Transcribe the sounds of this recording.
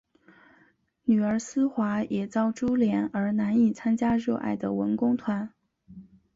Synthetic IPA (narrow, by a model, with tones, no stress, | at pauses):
ny˨˩ə˞˧˥sɹ̩˥xwa˧˥jʔɛ˨˩t͡sɑ˥˩ʊʈ͡ʂu˥ljɛ˧˥nə˞˧˥na˧˥ni˨˩t͡sʰa˥nt͡ɕja˥ɻɤ˥˧ʔa̰˥˩ɪd̪ə˩wə˧˥nkʊ˥ŋt̪ʰwa˧˥n